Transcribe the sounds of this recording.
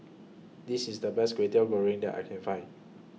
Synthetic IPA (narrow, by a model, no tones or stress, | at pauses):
disisdəbɛsɡɹetəwəɹɪ̃ŋdɛ̰ta̰jkʰɛ̃nfãɪ̃n